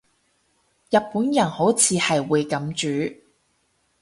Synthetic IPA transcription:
jɐ˨t̚puː˨˥njɐ˨˩nho˨˥wt͡sʰiː˨˧hɐ˨jwuː˨˧jkɐ˨˥mt͡ʃyː˨˥

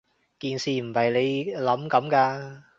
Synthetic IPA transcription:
kiː˨nsiː˨m̩˨˩hɐ˨˩jle˨˧jlɐ˨˥mkɐ˨˥mkaː˧

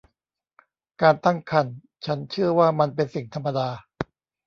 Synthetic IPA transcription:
kaː˧nt̪a˥˩ŋkʰa˧n | t͡ɕʰa˦˥nt͡ɕʰɯ˥˩ɐwaː˥˩ma˧npe˧nsi˨˩ŋt̪ʰa˧mːa˧daː˧

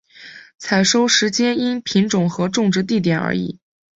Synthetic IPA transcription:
t͡sʰa˨˩ɪʂo˥ʊʂɻ̩˧˥t͡ɕjɛ˥ni˥npʰi˧˥ŋʈ͡ʂʊ˨˩ŋxɤ˧˥ʈ͡ʂʊ˥˧ŋʈ͡ʂɻ̩˥˧t̪̬i˥˩t̪̬jɛ˨˩nə̰˞˧˥ḭ˨˩˦

